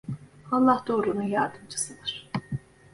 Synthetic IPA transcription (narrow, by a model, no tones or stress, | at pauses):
hɑnlˠɑhd̪oɾunujɑɾd̪ɯmd͡ʒʰɯ̥sɯnɯɾ̥